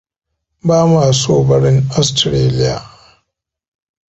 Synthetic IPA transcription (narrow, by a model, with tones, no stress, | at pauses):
baː˦maː˨soː˦bɐ˦ɾɪ˦ŋa˦stɾeː˦lɪ˦ja̰ː˨